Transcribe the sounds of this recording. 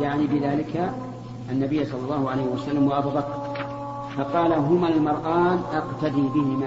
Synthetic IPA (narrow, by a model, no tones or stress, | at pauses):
jaʕnibɪðaːlɪka | ʔanːabɪjːsˤɑlːɑlːɑːhʊʕalajhɪwasalːamwaʔabuːbakɾˤ | fɑqɑːlaɦʊmaɪlmɑɾˤʔɑːnʔɑqt̪ad̪iːbɪhɪma